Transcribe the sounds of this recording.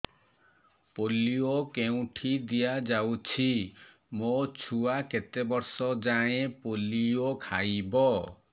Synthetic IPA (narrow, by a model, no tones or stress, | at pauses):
poliokeũʈʰid̪ijad͡ʒawt͡ʃʰi | mot͡ʃʰuaket̪ebɔɾsɔd͡ʒaẽpoliokʰajbɔ